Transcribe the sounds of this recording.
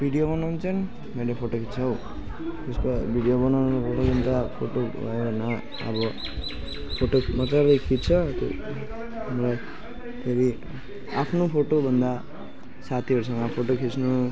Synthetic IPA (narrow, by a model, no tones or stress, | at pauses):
bʱiɽijobʌnant͡sʰʌn | meɖepʰoʈokʰit͡sʰʌw | t̪eskobʱiɽijobʌnanpʰoʈakʰint̪apʰoʈobʱa̰jbʌna | ʌ̰bʌ | pʰoʈomʌt̪aɾlejkʰit̪̚t͡sʰʌt̪ | mʌlaj | t̪ʰeɾi | apʰnopʰoʈobʱʌnd̪a | sat̪ʰiʌɾus̬ʌŋɡʌpʰoʈokʰisnu